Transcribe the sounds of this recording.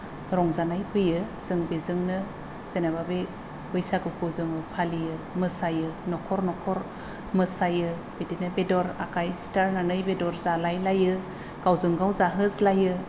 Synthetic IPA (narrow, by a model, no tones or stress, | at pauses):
ɾɔŋzanajpʰɯjɯz̥ɯŋbezɯŋnɯ | z̥enaβabe | bɯjsaɡɯkʰɯzɯŋɯpʰalijɯmɯsajɯnɔkʰɔɾnɔkʰɔɾ | mɯsajɯ | b̥edinɯbedɔɾakʰajstaɾnanɯjbedɔɾzalajlajɯ | ɡ̥awzɯŋɡawzaɦɯzlajɯ